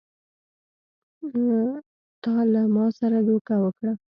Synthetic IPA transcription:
t̪ɑlamɑsaɾad̪okawəkɽa

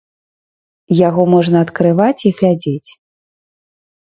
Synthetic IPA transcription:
jaɣɔmɔʐnɐːt̪kɾɨvat͡sʲiɣlʲad͡zʲet͡sʲ

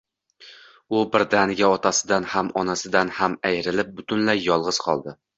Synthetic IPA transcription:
ʊbɪɾd̪anɪɡʲaɒt̪ʰasɪd̪anhamɒnasɪd̪anhamajɾɪlɪp̚bʊt̪ʰʊnlajːɒlˠʁɨz̥qʰɒlˠd̪ɪ

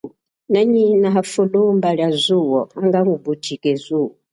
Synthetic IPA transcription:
naɲinaɦafulumbaɺjazuwɔaŋɡaŋubutʰikɛzuːwɔ

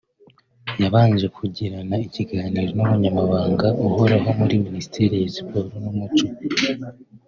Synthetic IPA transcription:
jaβaːnd͡ʒe̞kʰuɟiɾanaiciɡaːniːɾo̞numuɲamaβaːŋɡaʔuho̞ɾaɦo̞muɾiminisi̥tʰiɾijasi̥poːɾonumut͡ʃo

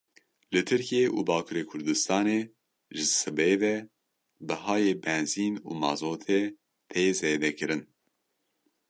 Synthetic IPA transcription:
lɨt̪ʰɨɾkijeːʔṵːbɑːkʰuːɾeːkʰʊɾd̪ɨst̪ɑːneː | ʒɨsɨbevɛ | bɨhɑːjeːbɛnziːnṵːmɑ̰ːzoːt̪ʰeː | t̪ʰezeːd̪ɛkɨɾɨn

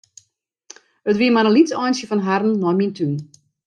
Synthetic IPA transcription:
ətʋiəmaɾəlitsɔjnsjəfɔnɦarn̩ːɔjmintʰyn

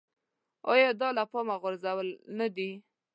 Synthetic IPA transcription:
ɑjɑd̪ɑlapɑmaɣʊɾzawəlnad̪i

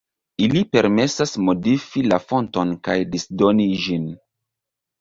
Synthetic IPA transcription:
ilipe̞ɾme̞sasmo̞difilafo̞nto̞nkajdisdo̞niʒin

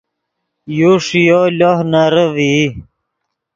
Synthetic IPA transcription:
juʂijolohnaɾəvi

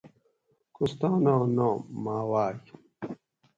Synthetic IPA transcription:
kust̪ãːnanõːmaːwaːj

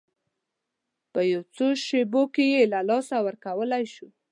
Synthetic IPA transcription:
pəjawt͡soʃebokejelalɑsawəɾkawəlajʃu

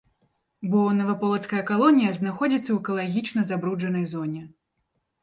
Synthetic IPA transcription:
bɔnɐvɐpɔlˠɐt̪skɐjɐkalˠɔnʲijɐznaxɔd͡zʲit̪sːɐwɛkɐlˠaɣʲit͡ʂnɐzabɾud͡ʐɐnɐjzɔnʲɛ

